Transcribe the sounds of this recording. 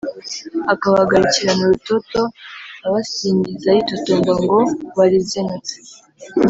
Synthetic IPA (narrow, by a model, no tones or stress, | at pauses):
akaβaɡaɾiciɾanuɾutoto̞aβasiːɲɟizajitotombaŋɡo̞βaɾizenate̥